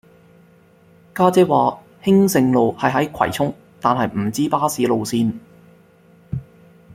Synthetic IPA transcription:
kaː˥t͡sɛː˥waː˨˧ | hɪ˥ŋsɪ˨˧ŋlo˨whɐ˨jɦɐ˨˥jkʰɐ̰˨˩jt͡sʰʊ˥ŋ | t̪aː˨nɦɐ˨jm̩˨˩t͡siː˥paː˥siː˨˥lo˨wsiː˧n

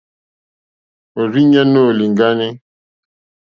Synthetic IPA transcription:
o˨ɾi˦ɲa˦no˦˨li˨ŋ˨ɡa˦ne˦

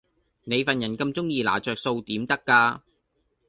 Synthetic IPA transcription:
ne˨˧jfɐ˨njɐ˨˩nkɐ˧mt͡sʊ˥ŋjiː˧la̰ː˨˩t͡ʃœː˨k̚so˧wt̪iː˨˥mt̪ɐ˥kːaː˧

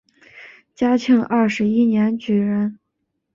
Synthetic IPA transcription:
t͡ɕja˥t͡ɕʰi˧˥ŋʔɐ˥˩ʂɻ̩˧˥i˥njɛ˧˥nt͡ɕy˨˩ɻə˧˥n

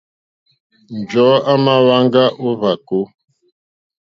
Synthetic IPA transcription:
n̩˨d͡ʒɔ˨˦a˦na˦la˦ŋ˦ɡa˦ʔo˦βa˨ko˦

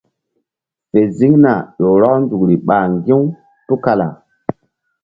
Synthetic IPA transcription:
fe˨zi˦ŋna˨ɗo˨ɾɔ˦knzu˨kɾi˨ɓa˨ŋɡi˦ | tu˦ka˦la˨

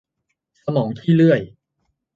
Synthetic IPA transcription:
sa˧mɔː˩˦ŋt̪ʰiː˥˩lɯ˥˩əj

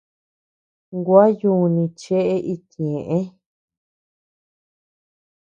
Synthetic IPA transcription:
ŋɡwa˦ju˧nĩ˧t͡ʃe˦ʔe˦ʔi˧t̪ẽ˨ʔẽ˦

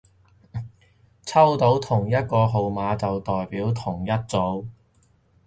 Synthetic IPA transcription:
t͡sʰɐ˥wt̪o˨˥wt̪ʰʊ˨˩ŋjɐ˥t̚kɔː˧ɦo˨˧wmaː˨˧t͡sɐ˨wt̪ɔː˨jpiː˨˥wt̪ʰʊ˨˩ŋjɐ˥t̚t͡so˨˥w

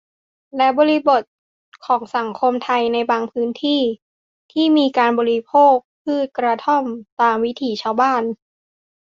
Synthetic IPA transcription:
lɛ˦˥bɔː˧ɾi˦˥bo˨˩t̪̚ | kʰɔː˩˦ŋsa˩˦ŋkʰo˧mt̪ʰa˧jna˧jbaː˧ŋpʰɯː˦˥nt̪ʰiː˥˩ | t̪ʰiː˥˩miː˧kaː˧nbɔː˧ɾi˦˥pʰoː˥˩k̚pʰɯː˥˩t̪̚kɾa˧t̪ʰo˥˩mt̪aː˧mwi˦˥t̪ʰiː˨˩t͡ɕʰaː˧wbaː˥˩n

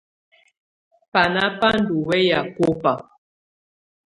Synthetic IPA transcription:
pa˨na˦pa˦n˦du˨wɛ˦ja˨ko˦pa˨

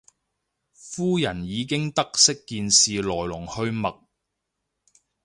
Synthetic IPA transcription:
fuː˥jɐ˨˩njiː˨˧k̬ɪ˥ŋt̪ɐ˥k̚sɪ˥kːiː˨˧nsiː˨lɔː˨˩jlʊ˨˩ŋhɵ˧ɥmɐ˨k̚

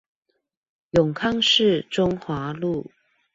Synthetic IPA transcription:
jʊ˨˩ŋkʰɑ˥˧ŋʂɻ̩˥˨ʈ͡ʂʊ˥ŋxwa˧˥˦lu˥˨

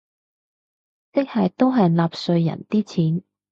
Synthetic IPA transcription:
t͡sɪ˥k̚hɐ˨jt̪o˥wɦɐ˨jlaː˨p̚sɵ˧ɥjɐ̰˨˩nt̪iː˥t͡sʰiː˨˥n

